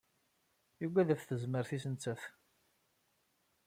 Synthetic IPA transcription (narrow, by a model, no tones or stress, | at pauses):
juɡʷæðæfθəzməɾθisənt͡sːæθ